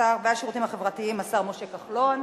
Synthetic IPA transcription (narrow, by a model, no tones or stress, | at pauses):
aʁveaʃiʁut̪imhaχe̞vʁatiimːasaʁmoʃekaχlo̞n